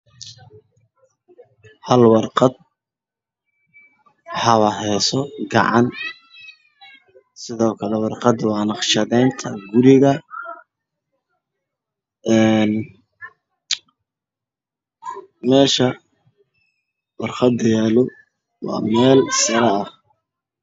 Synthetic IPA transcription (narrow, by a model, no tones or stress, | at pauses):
hɐlwɑrqɑd̪̚ | ħɑβɐhɛsɔɡɑ̰ʕɑn | sɪðɔːkʰɐlɛwɑrqɑd̪wɑːnɑqʃɐðɛjnt̪ʰɐɡʊɾɪɣɐ | ɛn | mɛːʃɐ | wɑrqɑd̪jɛːlɔ | wɑ̰ːmɛːlsɐɾɛɐh